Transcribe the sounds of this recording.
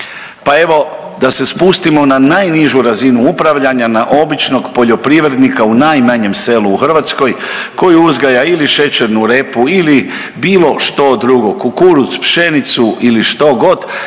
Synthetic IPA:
pae̞ʋo̞ | d̪ase̞spust̪imo̞nanajniʒuɾazinuupɾaʋʎaɲanaʔo̞bit͡ʃno̞ɡpo̞ʎo̞pɾiʋɾed̪nikaunajmaɲe̞mse̞luːxr̩ʋat̪sko̞jko̞juuzɡajailiʃe̞t͡ʃe̞ɾnuɾe̞puili | biːlo̞ʃt̪o̞d̪ɾuɡo̞kukuɾuspʃe̞nit̪suʔiliʃt̪o̞ɡo̞d̪

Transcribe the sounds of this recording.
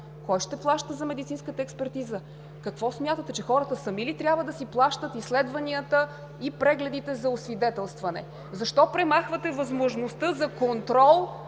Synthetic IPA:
kɔjʃt̪ɛplˠaʃt̪əzɐmɛd̪it̪sinskət̪əɛkspɛɾt̪izə | kɐkvɔsmʲjat̪ət̪ɛt͡ʃɛxɔɾət̪əsəmilit̪ɾʲjabvəd̪ɐsiplˠaʃt̪ət̪islɛd̪vɐniət̪ə | ipɾɛɡlɛd̪it̪ɛzɐʊsvid̪ɛt̪ɛlˠst̪vɐnɛ̰ | zɐʃt̪ɔpɾɛmaxvət̪ɛvɐzmoʒnost̪ɤzɐkont̪ɾɔlˠ

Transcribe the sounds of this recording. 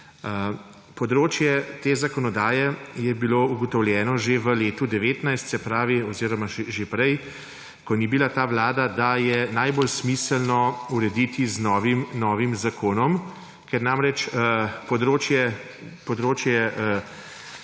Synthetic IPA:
ə | pɔd̪ɾoːt͡ʃjɛt̪eːzakɔnɔd̪aːjɛjɛbiloːuɡɔt̪ɔwljɛːnɔʒeʋəleːt̪ud̪ɛʋeːt̪najst̪sɛpɾaːʋiɔziːɾɔmaʒepɾɛj | kɔnibilat̪aːʋlaːd̪ad̪ajɛnajbolsmiːsəlnɔuɾɛd̪iːt̪iznɔːʋimnɔːʋimzakʰoːnɔm | kɛɾnamɾɛt͡ʃəpɔd̪ɾoːt͡ʃjɛ | pɔd̪ɾoːt͡ʃjɛ

